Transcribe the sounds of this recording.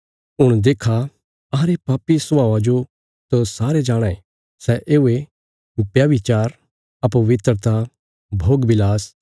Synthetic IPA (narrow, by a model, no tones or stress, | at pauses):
ɦʊɽ̃d̪eːkʰa | ɐɾepaːpisʊãːʋad͡ʒo | t̪osaːɾed͡ʒaːɽ̃ae | sɛʔeːue | bjaʋɪt͡ʃaːɾ | ɐpuʋɪt̪ɾət̪a | bʱoːɡbɪlaːs